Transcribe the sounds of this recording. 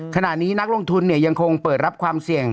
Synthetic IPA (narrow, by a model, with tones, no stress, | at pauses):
kʰa˧na˨˩ʔniː˦˥na˦˥k̚lo˧ŋt̪ʰu˧nːi˥˩əja˧ŋkʰo˧ŋpɤː˨˩t̪̚ɾa˦˥p̚kʰwaː˧msi˨˩əŋ